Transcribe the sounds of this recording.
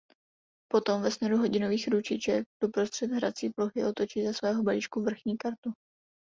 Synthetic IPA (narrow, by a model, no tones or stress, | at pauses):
po̞t̪o̞mvɛsnɛɾuɦo̞ɟɪno̞viːxɾut͡ʃɪt͡ʃɛk̚d̥opɾost̪r̥ɛd̪ɦɾa̰t͡siːploxɪʔo̞t̪o̞t͡ʃiːzasvɛːɦobaliːt͡ʃkuvr̩xɲiːkaɾt̪u